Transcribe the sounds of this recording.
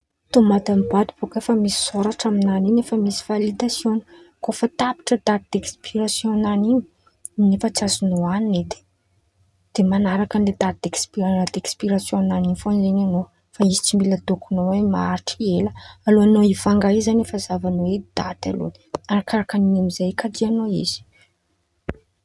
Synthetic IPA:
t̪umad̪amibad̪ib̥okefəmisi̥soɾaʈ͡ʂaminaninefəmisi̥v̥alid̪asjoni̥ | kofət̪api̥ʈ͡ʂəd̪at̪id̪̥ekspiɾasjõnanini̥ | nefət͡sazunoanned̪e̥ | d̪̥emanaɾakənled̪at̪̚d̪ekspiad̪ekspiɾasjonaninifonzenano | faizi̥t͡simbiləd̪okunowemaaɾiʈ͡ʂeləaloanoifaŋɡaizanefazavanowed̪̥at̪alṵni̥aɾakaɾakaninimizajkadianoḭz̥i̥

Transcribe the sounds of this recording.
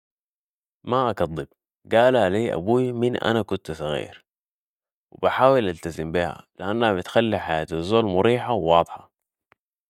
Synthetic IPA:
maʔakɑd̪ˤːib̚ | ɡaːlaliːʔa̰buːminʔa̰nakʊnt̪sˤɑɣḭːɾ | wibaħaːwilʔalt̪azimbiha̰liʔanːahabit̪xalːiħajaːt̪azːoːlmʊɾiːħawwɑːd̪ˤħɑ

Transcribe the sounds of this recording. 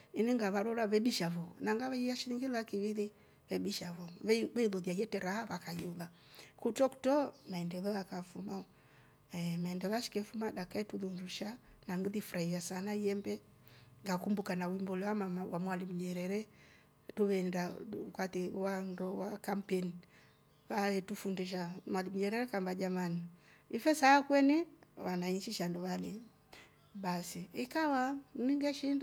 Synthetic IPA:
iniŋɡaβaɾɔlaβɛbiʃavɔnaŋɡaβɛiaʃiɾiŋɡilakiβiði | βɛbiʃavɔββɛiðɔðiajɛtɛɾaaβakajuða | kutɔku̥tɔmaɛndɛðɔjakafuma | ɛmaɛndɛlaʃi̥kɛfumaɗakaɛtuðunduʃa | naŋɡiðifuɾaiasanaiɛmbɛ | ŋɡakumbukanawimbɔlɛwamaawamwalimuɲɛɾɛɾɛ | tuβɛndaukatɛwandɔwakam̩pɛni | kaɛtufundiʃ̬amwalimuɲɛɾɛɾɛkambad͡ʒamani | ifɛsakwɛniwanaiɲt͡ʃiʃandɔβani | basiikawaniŋɡɛʃind

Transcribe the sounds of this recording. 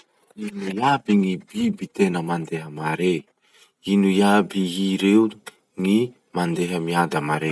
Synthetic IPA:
inujabiŋibibit̪enəmand̪eɦəmaɾe | inujabiɦiɾeu | ŋi | mand̪eɦəmiad̪amaɾe

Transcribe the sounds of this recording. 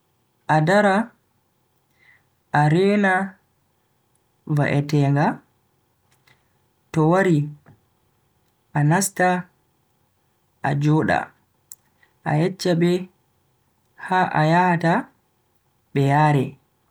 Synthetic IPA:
ʔadaɾa | ʔaɾɛːna | va̰ʔɛtɛːŋɡa | tɔwaɾi | ʔanasta | ʔa̰d͡ʒɔːɗa̰ | ʔa̰jɛt͡ʃːaɓɛ | haʔa̰jahata | ɓɛjaːɾɛ

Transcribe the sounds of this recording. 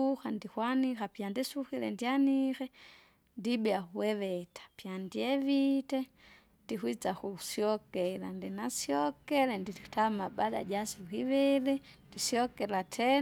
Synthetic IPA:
uxandihwanixapjandisuxilɛ̰ndianixɛ | ndibiauwɛβɛtḁpjandiɛvitɛ | ndihwit͡sakusiɔkɛla̰ndɛnasjɔkɛlɛndi̥tamabada̰ɟasihiβɛlɛndisiɔkɛlatʰɛ

